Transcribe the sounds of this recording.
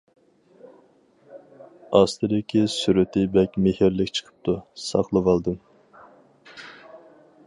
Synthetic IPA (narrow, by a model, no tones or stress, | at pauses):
ɑst̪ʰɨd̪ɪkʲʰisyɾɪt̪ʰɪbɛkʲmɪhiɾlɪkʲt͡ʃʰə̥qʰə̥p̚t̪ʰusɑ̰χlˠəvɑlˠd̪ɨm